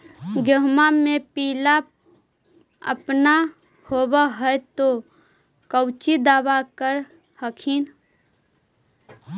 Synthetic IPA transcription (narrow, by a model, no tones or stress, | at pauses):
ɡəɦmamepiːla | ə̰pna | hobəɦəjt̪o | kəwt͡ʃid̪aːbakəɾ | həkʰin